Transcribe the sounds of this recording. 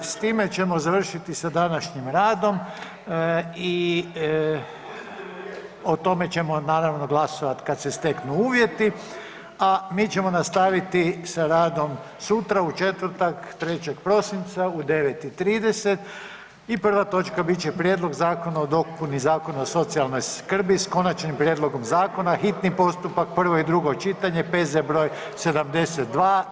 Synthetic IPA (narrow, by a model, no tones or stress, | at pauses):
st̪iːme̞t͡ʃe̞mo̞zaʋr̩ʃit̪isad̪anaʃɲimɾaːd̪o̞m | i | ot̪o̞me̞t͡ɕe̞mo̞naːɾaʋno̞ɡlˠasoʋat̪kad̪sest̪e̞knuuːʋje̞t̪i | amiːt͡ɕe̞mo̞nast̪aʋit̪isaɾaːd̪o̞m | sut̪ɾaut͡ʃet̪ʋrɾt̪akt̪ɾe̞t͡ɕekpɾo̞sint̪saud̪e̞ʋet̪it̪ɾiːd̪e̞set̪ | ipr̩ʋat̪o̞t͡ʃkabit͡ʃepɾjed̪lˠo̞ɡzaːko̞naod̪o̞kpunizaːko̞naoso̞t̪sialno̞jskr̩bisko̞nat͡ʃnimpɾjed̪lˠo̞ɡo̞mzaːko̞naxit̪nipo̞st̪upak̚pr̩ʋo̞id̪ɾuɡo̞t͡ʃit̪aɲe̞pezebɾo̞ːj | se̞d̪amd̪e̞set̪̚d̪ʋaː